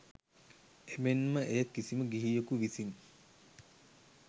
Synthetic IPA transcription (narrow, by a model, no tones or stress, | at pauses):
emenməʔejəkːisiməɡiɦijokuʋisin